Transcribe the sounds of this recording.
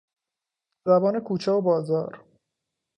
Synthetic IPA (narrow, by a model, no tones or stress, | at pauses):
zæbɒːnekʰuːt͡ʃʰɛobɒːzɒːɾ